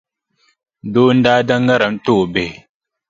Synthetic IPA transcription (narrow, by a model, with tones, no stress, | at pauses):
do˦n̩˦daː˦da˦ŋɡa˦ɾa˨m̩˦to˦˨be˨